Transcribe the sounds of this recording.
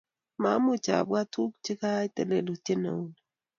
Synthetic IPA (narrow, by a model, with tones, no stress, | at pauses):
ma˨˦mʊ˨t͡ʃa̰˨bwa˦tu˦k̚t͡ʃɪ˦ka˦i˦te˨le˨lo˨te˦na̰˨u˦n˨